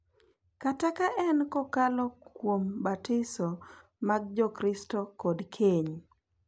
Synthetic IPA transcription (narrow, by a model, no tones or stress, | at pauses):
katakaʔɛnkɔkalɔkwombatɪsɔ | maɡd͡ʒɔkɾɪstɔkɔdkʰeɲ